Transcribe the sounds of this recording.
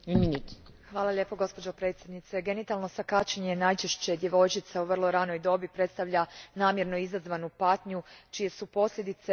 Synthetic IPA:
iminit̪xʋaːlˠalʲje̞ːpo̞ɡo̞spo̞d͡ʑopɾe̞t̪sʲje̞d̪nit̪se̞ɡe̞nit̪alˠno̞sakat͡ɕeɲenajt͡ʃeʃt͡ɕe̞d̪je̞ʋo̞jt͡ʃit̪sauʋr̩lˠo̞ɾano̞jd̪o̞bipɾet̪st̪aʋʎʲanaːmje̞ɾnoizazʋanupat̪ɲut͡ʃije̞supo̞sʎʲe̞d̪it̪se

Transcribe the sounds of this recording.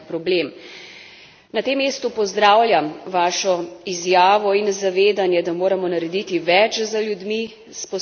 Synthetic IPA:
pɾɔbleːm | nat̪emːeːst̪upɔzd̪ɾaːwlʲjamʋaːʃɔizjaːʋɔinzaʋeːd̪anjɛd̪amoːɾamɔnaɾɛd̪it̪iʋɛt͡ʃzaljud̪mi | spɔ

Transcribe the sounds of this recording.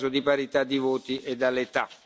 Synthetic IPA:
zod̪ipaɾit̪ad̪ːivoːt̪iʔed̪alːet̪a

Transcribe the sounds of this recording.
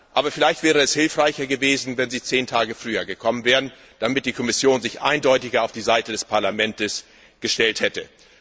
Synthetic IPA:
ʔaːbɐfɪlaɪçtv̥ɛːʁ̞əɛshɪlfʁ̥aɪçɐɡəveːzn̩vɛnziːt͡seːntʰaːɡəfʁ̥yːɐɡəkʰɔmənvɛːʁən | d̥amɪt̚d̥iːkʰɔmɪsjoːnzɪçʔa̰ɪndɔʏtɪɡɐaʊfd̥iːzaɪtədɛspʰaɐlamɛntəs | ɡ̥əʃtɛlthɛtə

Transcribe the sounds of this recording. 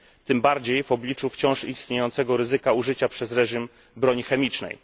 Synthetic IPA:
t̪ɘmbaɾd͡ʑejvɔblʲit͡ʂuft͡ɕɔ̃w̃ʂist̪ɲejɔnt̪sɛɡɔɾɘzɘkauʐɘt͡ɕapʂɛzɾɛʐim | bɾɔɲixɛmʲit͡ʂnɛ̰j

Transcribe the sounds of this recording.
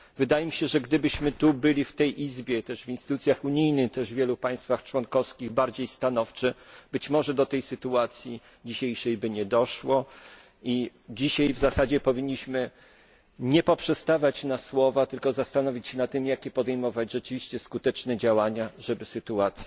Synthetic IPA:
vɘd̪ajɛmʲiɕɛʐɛɡd̪ɘbɘɕmɘt̪ubɘlʲift̪ɛjʔizbʲjɛt̪ɛʐvinst̪ɘt̪ut̪sʲjaxuɲijnɘxt̪ɛʐvʲjɛlupaj̃st̪faxt͡ʂwɔnkɔfskʲiɣbaɾd͡ʑejst̪anɔft͡ʂɛb̥ɘt͡ɕmɔʐɛd̪ɔt̪ɛjsɘt̪uat̪sʲji | d͡ʑiɕejʂɛjbɘɲɛd̪ɔʂwɔ | i | d͡ʑiɕajvzasad͡ʑɛpɔvʲiɲːiɕmɘ | ɲɛpɔpʂɛst̪avʲat͡ɕnaswɔvat̪ɘlkɔzast̪anɔvʲit͡ɕɕɛnat̪ːɘmjakʲɛpɔd̪ɛjmɔvad͡ʑʐɛt͡ʂɘvʲiɕt͡ɕɛskut̪ɛt͡ʂnɛd͡ʑawaɲaʐɛbɘsɘt̪uat̪sʲ

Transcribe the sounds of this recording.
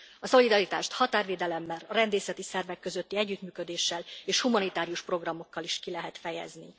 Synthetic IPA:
ɒso̞lid̪ɒɾit̪a̰ːʃt̪hɒt̪aːrveːd̪ɛlɛmːɛlɒrɛnd̪eːsɛt̪isɛrvɛkːø̞zø̞t̪ːiɛɟːyt̪myːkø̞d̪eːʃːɛleːʃhumɒnit̪aːɾijuʃpro̞ɡrɒmo̞kːɒliʃkilɛɦɛt̪fɛjɛ̰zni

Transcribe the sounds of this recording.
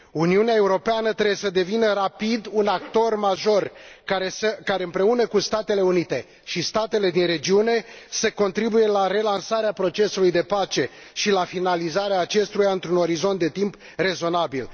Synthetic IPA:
uniuneae̞uɾo̞peanət̪ɾeesəd̪e̞vinəɾapid̪unakt̪o̞rmaʒo̞raeəkaɾe̞ɨmpɾe̞unəkust̪at̪e̞le̞unit̪e̞ | ʃist̪at̪e̞le̞d̪inre̞d͡ʒiune̞seko̞nt̪ɾibuje̞laɾe̞lansaɾeapɾo̞t͡ʃe̞sulujd̪e̞pat͡ʃe̞ | ʃilafinalizaɾeaːt͡ʃe̞st̪ujaɨnt̪ɾuno̞ɾizo̞nt̪d̪e̞t̪imp | re̞zo̞nabil

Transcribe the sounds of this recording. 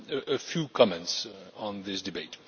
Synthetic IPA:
əfjukʰɑmɛ̃ntsn̩ðɪsdɨbeɪt

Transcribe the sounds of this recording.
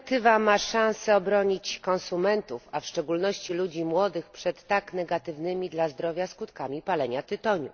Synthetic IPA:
t̪ɘvamaʂãñsɛɔbɾɔɲit͡ɕkɔnsumɛnt̪ufafʂt͡ʂɛɡulnɔɕt͡ɕilud͡ʑimwɔd̪ɘxpʂɛt̪ːaknɛɡat̪ɘvnɘmʲid̪lazd̪ɾɔvʲjaskut̪kamʲipalɛɲat̪ɘt̪ɔɲṵ

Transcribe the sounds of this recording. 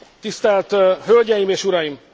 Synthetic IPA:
t̪ist̪ɛlt̪ɦølɟɛjimeːʃuɾɒjim

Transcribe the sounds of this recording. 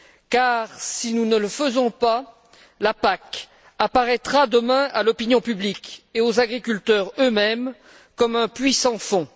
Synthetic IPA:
kaʁsinunələfəzɔ̃pa | lapak | apaʁɛt̪χad̪əmɛ̃ʔalɔpinjɔ̃pyblikeozaɡʁikʲylt̪œʁømɛm | kɔmɛ̃pɥisɑ̃fɔ̃

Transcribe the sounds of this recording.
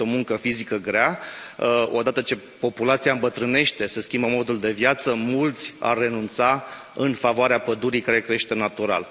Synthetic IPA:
o̞muŋkəfizikəɡɾea | o̞d̪at̪ət͡ʃe̞ | po̞pulat̪siaɨmbət̪ɾɨne̞ʃt̪e̞seskʲimbəmo̞d̪uld̪e̞vjat̪səmult̪sʲa̰rːe̞nunt̪sa | ɨnfavoaɾeapəd̪uɾijkaɾe̞kɾeeʃt̪e̞nat̪uɾa̰l

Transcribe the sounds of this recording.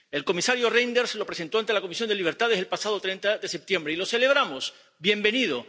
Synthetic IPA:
e̞lko̞misaɾjorejnd̪eɾslo̞pɾese̞nt̪o̞ant̪e̞lako̞misjo̞nd̪eliβ̞eɾt̪aðeselpasað̞ot̪ɾe̞nt̪aðe̞se̞p̚t̪je̞mbɾeilo̞se̞le̞β̞ɾamos | bje̞mbe̞nið̞o̞

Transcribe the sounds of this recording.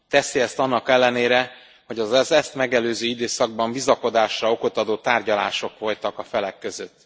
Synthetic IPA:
t̪ɛsiɛst̪ɒnːɒkɛlːɛneːɾɛ | ho̞ɟɒzɛzɛst̪mɛɡɛløːzøːid̪eːsɒɡ̚bɒmbizɒko̞d̪aːʃrɒo̞ko̞t̪ɒd̪oːt̪aːrɟɒla̰ːʃo̞kʋo̞lt̪ɒkɒfɛlɛkːø̞zø̞t̪ː

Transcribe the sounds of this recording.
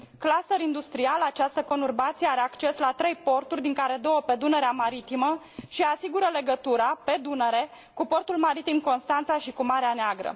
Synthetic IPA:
klasəɾind̪ust̪ɾialat͡ʃast̪əko̞nurbat̪sijeaɾe̞akt͡ʃe̞slat̪ɾe̞jpo̞rt̪urʲd̪iŋkaɾe̞d̪o̞wəpe̞d̪unəɾeamaɾit̪imə | ʃiasiɡuɾəle̞ɡət̪uɾape̞d̪uneɾe̞ | kupo̞rt̪ulmaɾit̪imko̞nst̪ant̪saʃikumaɾeaneaɡɾə̰

